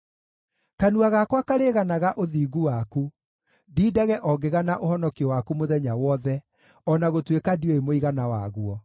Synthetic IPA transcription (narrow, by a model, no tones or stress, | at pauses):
kanuaɣakwakaɾeɣanaɣaʔoðiːɡuwaku | diːdɛɣɛʔɔɡeɣanaʔohɔnɔkiɔwakumoðɛɲawɔðɛ | ɔnaɣotwekadioemoiɣanawa̰ɣwɔ